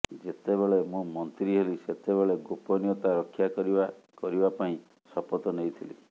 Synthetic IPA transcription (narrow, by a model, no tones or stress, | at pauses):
d͡ʒet̪ebeɭemũmɔnt̪ɾiɦeliset̪ebeɭeɡopɔnijɔt̪aɾɔkʰːjakɔɾia | kɔɾibapaĩ | sɔpɔt̪ɔnejt̪ʰilḭ